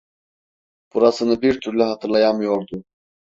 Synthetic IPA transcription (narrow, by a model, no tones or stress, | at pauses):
b̥uɾasɯnɯbiɾt̪ʰyɾlʲɛɦat̪ʰɯɾlˠajamɯjo̞ɾd̪ʊ